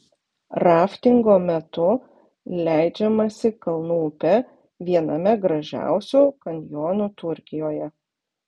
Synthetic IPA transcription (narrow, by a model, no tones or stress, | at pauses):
ɾɑːfʲt̪ʲɪŋɡoːmʲɛt̪ʊ | lʲæˑɪd͡ʒʲɛmɐsʲɪkɐlˠnuːpʲɛ | ʋʲiɛnɐmʲɛɡɾɐʒʲæ̰ˑʊsʲuːkɐnʲjoːnut̪ʊɾʲkʲɪjoːjɛ